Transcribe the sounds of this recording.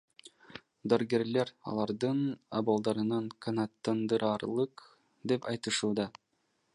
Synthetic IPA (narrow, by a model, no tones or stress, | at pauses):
d̪ɑɾɡeɾleɾɑ̰lˠɑɾd̪ɯna̰bolˠd̪ɑɾɯnɑɴkʰanɑt̪ːɑnd̪ɯɾɑːɾlˠɯq | d̪epɑjt̪ɯʃuːd̪ɑ